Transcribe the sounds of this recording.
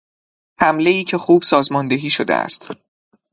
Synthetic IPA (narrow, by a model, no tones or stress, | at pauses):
hæmle̞iːcʰe̞xuːb̥sɒːzmɒːnd̪e̞ɦiːʃo̞d̪ḛæ̰st̪